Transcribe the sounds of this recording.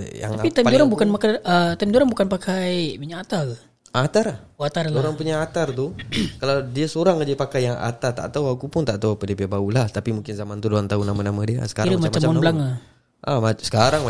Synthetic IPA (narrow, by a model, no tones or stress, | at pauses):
ja̰ŋapit̪ajmdoɾaŋbukanpakaət̪amdoɾaŋbukanpakʰajmiɲaat̪a | at̪aɾahat̪arlaoɾaŋpuɲaːt̪art̪ukalawdiasoɾaŋad͡ʒəpakajːaŋa̰t̪art̪a̰ʔt̪auakupʊnt̪aʔt̪awapədibiabaulaht̪apimuŋkɪnzamant̪udoant̪aunamanamadia̰sə̥kaɾiɾəmamamamɔnlaŋa | ʔa̰masə̥kaɾaŋm